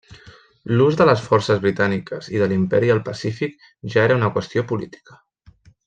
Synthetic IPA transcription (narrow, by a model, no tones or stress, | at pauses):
luzðələsfɔrsəzβɾit̪anikəziðəlimpɛɾiəlˠpəsifik | ʒaeɾəunəkwəst̪iopulit̪i̥kə̥